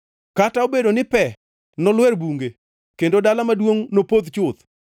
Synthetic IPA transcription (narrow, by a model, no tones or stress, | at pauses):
kataobedonɪpɛ | nɔlwɛɾbuŋɡe | kendodalamadwoŋnopod̪t͡ʃʊt̪